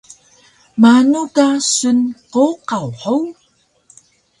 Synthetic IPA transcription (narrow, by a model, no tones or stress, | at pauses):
manuɡasunqoqawħow